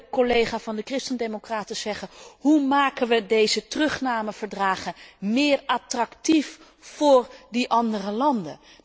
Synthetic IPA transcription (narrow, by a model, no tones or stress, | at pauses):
kɔlejχaːvɑndəkrɪstəndemokraːtəz̥ɛχənɦumaːkənʋədejzətrɵχnaːməv̥əɹdraːχəmɪːrɑtrɑktif | fʊːrdiʔɑndərəlɑndə̰